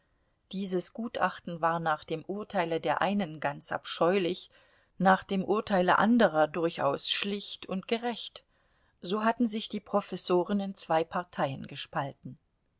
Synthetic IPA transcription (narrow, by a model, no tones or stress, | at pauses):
d̥iːzəsɡ̥uːtʔa̰χtn̩vaːɐnaːχd̥eːmʔʊɐtʰaɪlədeːɐʔaɪnənɡant͡sʔa̰pʃɔʏlɪç | naːχd̥eːmʔʊɐtʰaɪlə̰ʔandəʁ̞ɐdʊɐça̰ʊsʃlɪçtʊntɡ̥əʁɛçt | z̥oːɦatn̩zɪçd̥iːpʁ̥ofɛsoːʁənɪnt͡sv̥aɪpʰaɐtʰaɪənɡəʃpaltn̩